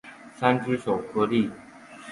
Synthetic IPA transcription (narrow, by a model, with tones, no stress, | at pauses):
sa˥nʈ͡ʂɻ̩˥ʂo˨˩ʊkʰɤ˥li˥˨